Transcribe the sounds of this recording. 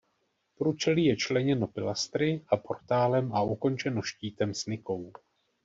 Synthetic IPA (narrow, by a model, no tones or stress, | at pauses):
pɾuːt͡ʃɛliːjɛt͡ʃlɛɲɛno̞pɪlast̪ɾɪʔapʰo̞rt̪aːlɛmʔauko̞nt͡ʃɛno̞ʃciːt̪ɛmsnɪko̞w